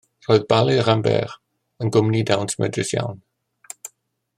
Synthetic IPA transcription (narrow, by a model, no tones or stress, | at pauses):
roɨðbalˠiəɾambɛ̰r | ənɡʊmnidawntʰəmɛ̰drɪsja̰wn